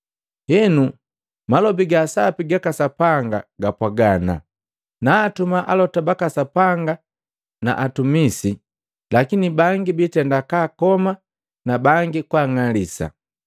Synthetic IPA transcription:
hɛnu | malɔbiɡasapiɡakasapaŋɡa̰ɡapwaɡana̰ | naːtumaʔalɔtabakasapaŋɡa | na̰ʔatumisi | lakinibaŋɡibitɛndakaːkɔma | nabaŋɡikwaːŋalisa̰

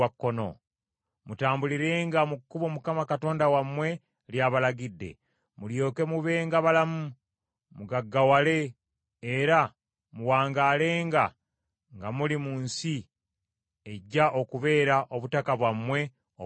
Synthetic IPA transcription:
akːono̞̰ | mutaːmbuliɾe̞ːŋɡamukːuβo̞mukamakato̞ːndawamwe̞ | ljaβalaɡidːe̞̰ | muljo̞ːke̞muβe̞ːŋɡaβalamu | muɡaɡːawale̞ː | ɾa | muwaːŋɡale̞ːŋɡa | ŋɡamulimuːnsi | e̞ɟːaʔo̞kuβe̞ːɾaʔoβutakaβwamwe̞ | o

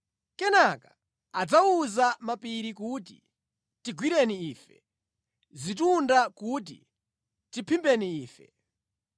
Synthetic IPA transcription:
kɛnakḁ | ad͡zauzamapiɾikut̬ḭ | tiɡwiɾɛniiːfɛ̰ | zit̬undakut̬ḭ | tipʰimbɛniiːfɛ̰

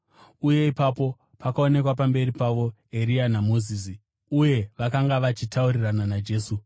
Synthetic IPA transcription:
uje̞ipapo̞ | pakao̞ne̞kwapambe̞ripaʋo̞ | e̞ɾianamo̞ziːs̬i | uje̞ʋakaŋɡaʋat͡ʃitaurirananad͡ʒe̞ːsu

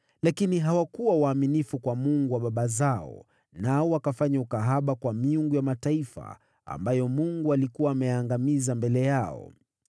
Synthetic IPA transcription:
lakiniɦawakuwawaːminifukwamuŋɡuwaɓaɓazaɔ̰ | naɔwakafaɲaukaɦaɓakwamiuŋɡujamataifa̰ | a̰mbajɔmuŋɡualikuwaːmɛjaŋɡamizambɛlɛjaɔ̰

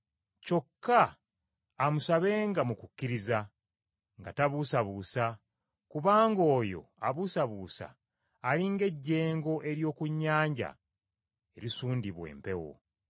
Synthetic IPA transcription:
co̞kːaː | musaβe̞ːŋɡamukukːiɾiza | ŋɡataβusaβuːsa | kuβaːŋɡo̞ːjo̞̰a̰βusaβuːsa̰ː | liŋɡe̞ɟːe̞ːŋɡo̞ʔe̞ɾjo̞ːkuɲːaːɲɟa̰ | e̞ɾisuːndiβwḛːmpe̞wo̞̰

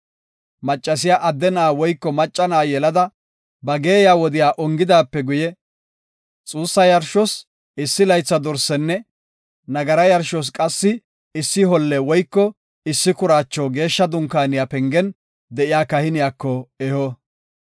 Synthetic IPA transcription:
mɐt͡ʃʼːɐs̬ɪjaːʔɐd̪ːɛnaːwɔjkːɔmɐt͡ʃʼːɐnaːjɛlɐd̪ɐ | bɐɡe̞ːjaːwɔd̪ɪjaːʔɔŋɡɪd̪aːpːɛɡʊjɛ | t͡sʼuːsːɐjɐɾʃɔs | ɪsːɪlɐjt͡sːɐd̪ɔɾsɛnːɛ | nɐɡɐɾɐjɐɾʃɔs̬kʼɐsːɪ | ɪsːɪɦɔlːɛwɔjkːɔ | ɪsːɪkʊɾaːt͡ʃːɔɡe̞ːʃːɐd̪ʊŋkaːnɪjapɛŋɡɛn | d̪ɛʔɪjaːkɐhɪnɪjaːkːɔɛhɔ

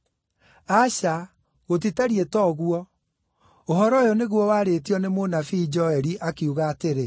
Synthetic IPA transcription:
aɕa | ɣot̬itaɾietɔɣuɔ | oɦɔɾɔjɔneɣwɔwaːɾetiɔnemonafiːd͡ʒɔɛɾiʔakiuɣaːteɾe

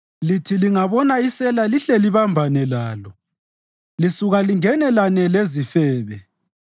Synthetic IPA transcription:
litʰiliŋaβɔnaisɛlaliɬɛliβambʱanɛlaːlɔ | lisuɣaliŋɛnɛlanɛlezifɛːβɛ

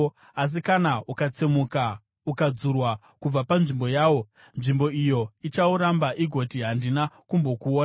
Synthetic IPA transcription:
as̬ikanaukat͡semuka | ukad͡zurwa | kub͡vapanʐimbo̞jaːwo̞ | nʐimbo̞ijo̞it͡ʃauɾambaʔiɡʱo̞tiɦandinakumbo̞kuoːna

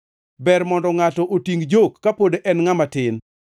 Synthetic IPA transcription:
bɛɾmɔndɔŋatɔʔotiŋɡd͡ʒokːapodeʔɛnŋamatɪn

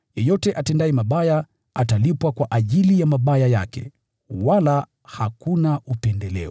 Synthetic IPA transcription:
jɔjɔtɛʔatɛndaɛmaɓaja | atalipwakwaʔaʄilijamaɓajaja̰kɛ̰ | wala | hakunaupɛndɛlɛ̰ɔ

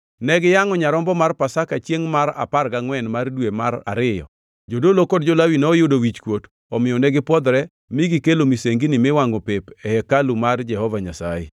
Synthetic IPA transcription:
nɛɡɪjaŋɔɲaɾɔmbɔmarpasakat͡ʃjeŋmaɾa̰parɡaŋwɛnmardwemaɾa̰ɾɪjɔ̰ | d͡ʒodolokod̚d͡ʒolawinɛɔjʊdowit͡ʃkwot | ɔmɪjɔnɛɡɪpwɔd̪ɾɛ | miɡikelomiseŋɡinɪmɪwaŋɡopepɛhɛkalumard͡ʒɛhɔvaɲasa̰jɛ

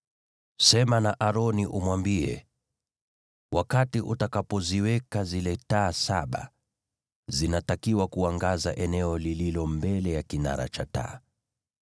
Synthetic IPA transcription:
sɛmanaʔaɾɔniʔumwambiɛ̰ | wʔakatiʔutakapɔziwɛkazilɛtaːsaɓa̰ | zinatakiwakuaŋɡaza̰ʔɛnɛɔlililɔmbɛlɛjakina̰ɾa̰t͡ʃata̰ː

